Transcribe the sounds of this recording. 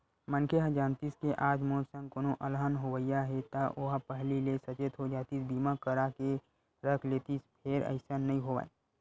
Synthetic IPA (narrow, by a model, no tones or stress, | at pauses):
mənkʰeɦad͡ʒaːnt̪iskeʔaːd͡ʒmoːsə̃ŋɡkoːnoʔəlɦənɦoʋəijaɦɛt̪aʔoɦapəɦlilesɐt͡ʃet̪ɦod͡ʒaːt̪isbiːmakəɾake | ɾəkʰleːt̪ispʰeːɾə̰ɪsanəɦĩɦoʋa̰ːe